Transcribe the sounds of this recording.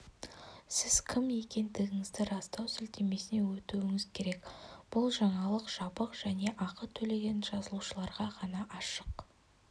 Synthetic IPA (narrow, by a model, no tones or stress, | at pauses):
sɪzkʲʰɪmje̞kʲe̞nd̪ɪɡʲɪŋɪzd̪ɪɾɑst̪ɑwsʏlt̪e̞me̞sɪne̞wɵt̪uwɪŋɪzkʲʰe̞ɾe̞kb̥ʊlˠʒɑɴɑlˠəqʒ̥ɑbəqʒ̥æne̞ʔɑqət̪ʰɵle̞ɡʲe̞nʒɑzəlˠuʃəlˠɑɾʁɑʁʰɑnɑʔɑʃəq